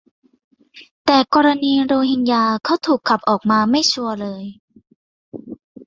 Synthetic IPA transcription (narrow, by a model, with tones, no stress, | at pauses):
t̪ɛː˨˩kɔː˧ɾa˧niː˧ɾoː˧hi˧njaː˧kʰa˥˩wt̪ʰuː˨˩kʰːa˨˩p̚ʔɔː˨˩k̚maː˧ma˥˩jt͡ɕʰu˧ɐlɤː˧j